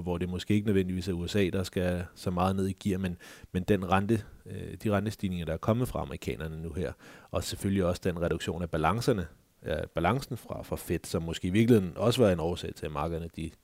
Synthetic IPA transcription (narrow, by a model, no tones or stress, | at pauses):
ʋɒd̥e̝mɔɒsɡ̥e̝̰ːeɡənəðˠʋen̰diʋḭːsæɐuesɛ̰ːd̥ɑ̈sɡ̥æsɒ̽mɑ̈ːð̞ˠne̝ð̞̰ˠiɡ̥iɐ̰menmend̥enʁɑnd̥əd̥iʁɑnd̥əsd̥ḭːne̝ŋɐɾ̥ɑ̈æɐkʰɒ̽mð̩ˠfʁɑ̈ɑ̈məʁikʰɛ̰ːnɐnənuheɐ̰ɒ̽sefølliɒ̽sə̥d̥enʁɛɾ̥uɡ̥ɕo̝̰ːnæb̥ælɑ̈ŋsɐnə | b̥ælɑ̈ŋsn̩fʁɑ̈fʁɑ̈fed̥sɒ̽mːɔ̽sɡ̥e̝ːiʋiɐɡ̥lihe̝ð̰ˠn̩ɒ̽səʋæːɐe̝nɒʊɐsɛ̰ɪt͡sʰe̝lmɑ̈ːɡ̥ðˠɐnəd̥i